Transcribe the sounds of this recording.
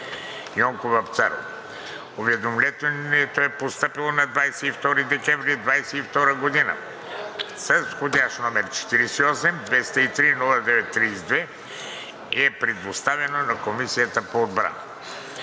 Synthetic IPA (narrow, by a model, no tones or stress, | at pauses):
jɔŋkovɐpt̪sa̰ɾo̰ | ovɛd̪omlʲɛt̪ɛɛt̪oɛpost̪ɤpilˠonɐd̪vajsɛift̪ɔɾid̪ɛkɛ̃vɾid̪vajsɛift̪ɔɾəɡod̪inə̰ | sɐsxod̪ʲaʃnomɛɾt͡ʃɛ̥t̪iɾɛsiɔsɛmd̪vɛst̪ɛit̪ɾinulˠɐd̪ɛvɛt̪ːɾizd̪vɛ | iɛpɾɛd̪ost̪avɛnonɐkomisijət̪əpoːd̪bɾa̰n